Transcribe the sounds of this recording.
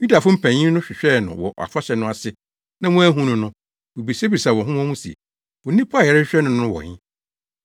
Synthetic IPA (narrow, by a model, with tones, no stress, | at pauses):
ju˦da˨fʊ̃˦m̩˦pʰæ̃˨ɲĩ˦nʊ̃˦ɕᶣɪ˨ɕᶣɛ˦nʊ̰̃˨wɔ̰˨a̰˨fa˦ɕɛ˨nʊ̃˦a˨sɪ˦ | nã˦mʊ̃˦æ˦ɦũ˦nʊ̃˦nʊ̃˦ | wu˨bi˨se˦bi˨i˨sa˨wɔ̃˨ɦʊ̃˦wɔ̃˦mũ˦sḭ˨ | wɔ˨nĩ˦pʰːɛ˨ɾɕᶣɪ˦ɕᶣɛ˦nʊ̃˨˦nʊ̃˦wɔ̰˨ɲɪ̰̃˦